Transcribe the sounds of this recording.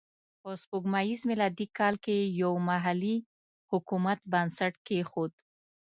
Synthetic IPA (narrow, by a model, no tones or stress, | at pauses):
pospuɡmajizmɪlɑd̪ikɑlkejawmaɦali | hʊkumat̪̚bansaʈkexod̪̚